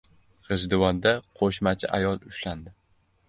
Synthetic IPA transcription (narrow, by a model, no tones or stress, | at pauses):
χɨzd̪ɪwɒnd̪aqʰoʃmat͡ʃʰaʔajɒlˠʊʃland̪ɪ